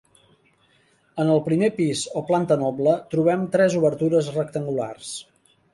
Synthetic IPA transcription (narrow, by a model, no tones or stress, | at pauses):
ənəlˠpɾimepizoplant̪ənɔblət̪ɾuβ̞ɛmt̪ɾɛzuβəɾt̪uɾəzrək̚t̪əŋɡula̰rs